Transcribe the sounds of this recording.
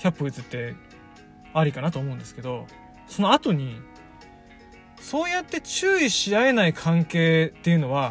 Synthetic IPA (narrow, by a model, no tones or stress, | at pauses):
çʲapːɯit͡sɨt̪ːe̞ | aɾʲikanat̪o̞ːmoɯ̃nd̪eske̞d̪o̞ | so̞no̞at̪o̞ɲ̟i | so̞ːjat̪ːe̞t͡ɕɨːiɕiae̞naikʰãŋke̞ːt̪ːe̞jɯ̟no̞βa